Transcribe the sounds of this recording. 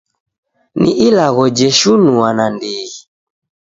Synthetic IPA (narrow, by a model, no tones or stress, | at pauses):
nḭʔilaɣɔd͡ʒɛʃunuanandiːɣi